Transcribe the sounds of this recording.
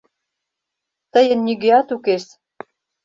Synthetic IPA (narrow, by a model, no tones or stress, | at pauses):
t̪əjə̆nːyɣeɑt̪ukeʃ